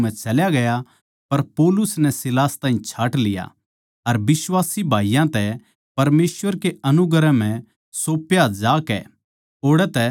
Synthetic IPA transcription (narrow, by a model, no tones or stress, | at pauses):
ɛ̃t͡ʃɐljaɡɐja | pɐɾpɔːlʊsnɛsɪlaːst̪ãːɦĩt͡ʃʰaːʈlɪja̰ | ɐɾbɪswaːsibʱaːijãt̪ɛ | pɐɾmeːswəɾkeɐnʊɡəɾɛm̤ɛ̃ | soːpjad͡ʒaːkɛ̰ | oːɽɛt̪ɛ